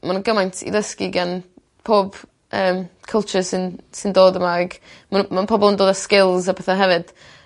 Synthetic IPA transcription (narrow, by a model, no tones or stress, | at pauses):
manɡəmajntʰḭdəskiɡan | pʰoːb̥ | ʔəːmkʰəlˠt͡ʃəsɪnsɪndoːdəmaɡ̥manmanpʰɔbɔlˠəndoːdaskɪlˠzapʰɛθaɦɛvɨd̥